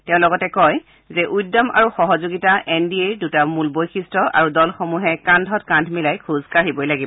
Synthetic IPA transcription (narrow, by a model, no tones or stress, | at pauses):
tɛʊ̃lɔɡɔtɛkɔj | zɛʔujdɔma̰ɹuxɔɦɔzoɡitaʔɛndieɹdutamulbojxistɹɔʔa̰ɹudɔlxɔmuɦɛkandʱɔtkãndʰʱmilajkʰuzkaɹibɔjlaɡibɔ